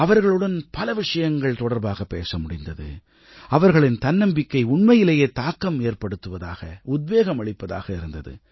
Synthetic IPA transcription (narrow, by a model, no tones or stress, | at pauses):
ɐʋɐɾɣɐɭɯɽɐnpɐlɐʋɪʂɐjɐŋɡɐɭt̪ɔɽɐɾbaːɣɐpːḛːsɐmʊɽɪnd̪ɐðɯ̰ | ɐʋɐɾɣɐɭɪnt̪ɐnːɐmbɪkːɐɪʊɳmɐjɪlejeːt̪aːkːɐmeːɾpɐɽɯt̪ːɯʋɐða̰ːɣɐʊd̪̚beːɣɐmɐɭɪpːɐða̰ːɣɐɪɾɯnd̪ɐðɯ̰